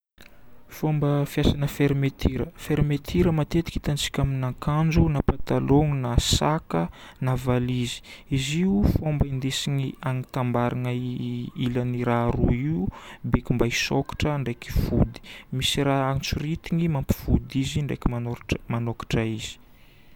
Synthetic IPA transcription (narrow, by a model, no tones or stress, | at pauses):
fombəfijasanəfeɾmet̪ʰiɾəfeɾmet̪ʰiɾəmat̪et̪i̥ki̥t̪ant͡si̥kʲaminaŋkand͡ʒunapat̪aloŋunasakənavalizi̥iziufombaind̪esiɲiaŋit̪ambaɾanəilaniɾaɾuiubekʲimbaisokḁʈ͡ʂəɳɖ͡ʐeki̥fud̪i̥misiɾaaŋt͡surit̪iŋimampi̥fud̪iziɳɖ͡ʐḛkʲimanmanokḁʈ͡ʂəiz̥i̥